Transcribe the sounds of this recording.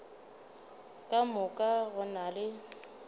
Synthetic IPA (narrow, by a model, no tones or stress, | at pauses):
kʼamʊkʼaɣʊnalɪ